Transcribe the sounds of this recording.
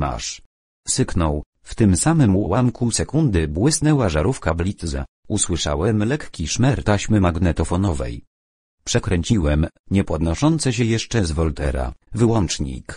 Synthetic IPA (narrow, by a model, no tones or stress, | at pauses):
ma̰ʂ | sɘknɔw | ft̪ɘmsamɘmuɔ̰wamkusɛkund̪ɘbwɘsnɛwaʐaɾufkablʲit̪za̰ | uswɘʂa̰wɛmlɛkkʲiʂmɛɾt̪aɕmɘmaɡnɛt̪ɔfɔnɔvɛ̰j | pʂɛkɾɛɲt͡ɕiwɛm | ɲɛpɔd̪nɔʂɔnt̪sɛɕ̬ɛjɛʂt͡ʂɛzvɔlt̪ɛ̰ɾa̰vɘwɔnt͡ʂɲḭk